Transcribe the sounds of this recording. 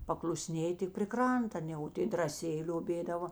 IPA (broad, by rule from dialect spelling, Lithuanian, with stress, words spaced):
pɐklˠʊˈsʲnʲeːjɪ tʲɪk pʲrʲɪ ˈkrɐntɐ ɐˈnʲɛ oː ˈtʲeː drɐˈsʲeːjɪ lʲoːˈbʲeːdɐʋoː